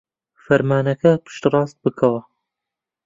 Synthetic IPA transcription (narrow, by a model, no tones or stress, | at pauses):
fɐɾmaːnɐkʰɐpʰɨ̥ʃt̪rˤɑːst̪̚bɨkʰɐwɐ